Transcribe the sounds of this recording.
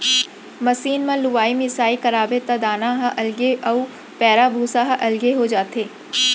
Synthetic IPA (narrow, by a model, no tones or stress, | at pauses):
mɐsiːnmãlʊʋaːimɪsaːikɐɾaːbet̪ad̪aːnãɦaʔɐlɡeɐu | pɛːɾabʱuːsaɦɐʔɐlɡeɦod͡ʒaːt̪eː